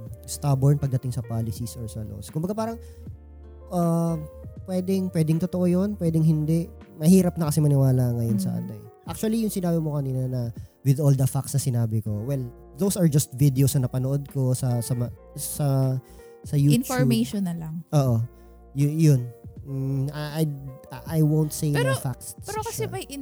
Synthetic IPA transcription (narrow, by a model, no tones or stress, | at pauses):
st̪abɔɹnpɐɡ̚d̪ɐt̪ɪŋsɐpaːlɪsisʔɔɹsɐlo̰skʊmbɐɡapaːɾɐŋ | ʔɐ | pwɛːd̪ɪŋpwɛːd̪ɪŋt̪ot̪oʔojonpwɛːd̪ɪŋhɪnd̪ɛʔ | mɐhiːɾɐp̚nɐkɐsɛmɐnɪwaːlɐŋɐjonsɐ̰ʔa̰ːt̪oɛ | ʔak̚t͡ʃʊɐlijʊŋsɪnaːbɪmokɐniːnɐnɐwɪd̪ʔold̪ɐfak̚snɐsɪnaːbɪko̞wɛl | d̪owsɐɹd͡ʒɐst̪̚vid̪ɪosnɐnɐpɐnoʔod̪̚ko̞sɐsɐmɐsɐ | sɐjuːnt͡ʃɔbmeʃonːɐlɐŋʔoːʔo | jjon̩ | aʔajʔajwownt̪sejafaksɛɾokɐsɛɐjɪ